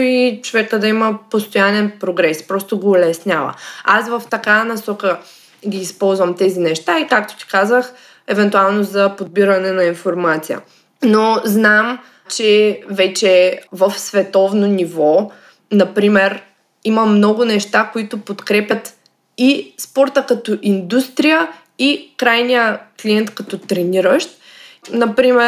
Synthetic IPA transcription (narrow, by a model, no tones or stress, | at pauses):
it͡ʃovɛkəd̪ɐiməpost̪ojanɛnpɾoɡɾɛspɾɔst̪oɡoːlɛsnʲjavə̰asvəft̪ɐkanɐsɔkə | ɡʲiːspɔlˠzvɐmt̪ɛzinɛʃt̪aikak̚t̪o̥t̪i̥kazəx | ɛvɛnt̪ualˠnozɐpod̪̚biɾɐnɛnɐinfoɾmat̪sijə̰ | noznam | t͡ʃɛvɛt͡ʃɛvəfsvɛt̪ɔvnonivɔ | nɐpɾimɛɾ | iməmnɔɡʊnɛʃt̪akoit̪ʊpot̪kɾɛpʲjət̪ | ispɔɾt̪əkɐt̪ɔʔind̪ust̪ɾijə | ikɾajnijəkliɛnt̪kɐt̪ɔt̪ɾɛniɾəʃt̪̚ | nɐpɾimɛ